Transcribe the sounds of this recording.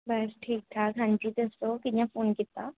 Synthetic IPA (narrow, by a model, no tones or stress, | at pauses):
bɐsʈʰiːk̚t̪ʰaɡʱãːnd͡ʒit̪əsokɪdjãfoːnkɪt̪a